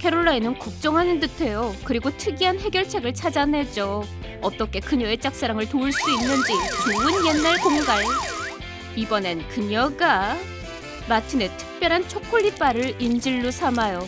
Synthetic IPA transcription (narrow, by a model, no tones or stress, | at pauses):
kʰe̞ɾoɭːainɯnkuk̚t͡ɕ͈ʌŋɦanɯntɯtʰe̞jokɯɾiɡotʰɯɡiɦanɦe̞ɡjʌɭt͡ɕʰe̞ɡɯɭt͡ɕʰad͡ʑanɦe̞d͡ʑo | ʌt͈ʌkʰe̞kɯɲʌet͡ɕ͈ak̚s͈eɾaŋɯɭtoɯɭs͈uinːɯnd͡ʑit͡ɕuɯnje̞nːaɭkoŋɡaɭ | ibʌne̞nkɯɲʌɡa | matʰɯne̞tʰɯ̥k̚p͈jʌɾɦant͡ɕʰokʰoʎːip͈aɾɯɭind͡ʑiɭːusʰamajo